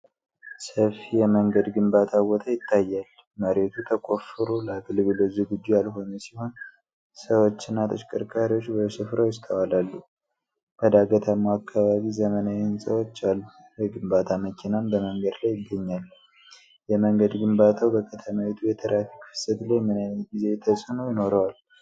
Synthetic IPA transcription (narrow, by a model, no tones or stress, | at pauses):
səfijɛməŋɡəd̪ɡɨmbat̪ʰawɔt̪ʰəjɪt̪ːajːal | məɾe̞t̪ʰut̪ʰəkʼo̞fɨɾolaɡɨlbɨləzuɡɨd͡ʒːujalɦo̞nəsiho̞n | səwo̞t͡ʃːɨnːat̪ʰət͡ʃkʼəɾkʼaɾiwo̞t͡ʃːbəsɨfɾawjɪst̪ʼʰəwalalːu | b̥əd̪aɡət̪ʰəmːuakːaβaβizəmənawɪnsəwot͡ʃːalːu | jɛɡɨmbat̪ʰaməkʰinambəməŋɡəd̪lajːɪɡːəɲːalː | jɛməŋɡəd̪ɡɨmbat̪ʰawbəkʰət̪ʰəmawit̪ʰujɛt̪ʰəɾʔafikfɨ̥sət̪lajmɨnajnət̪̚ɡize̞t̪ʰːəsʼɨnojɪno̞ɾəwal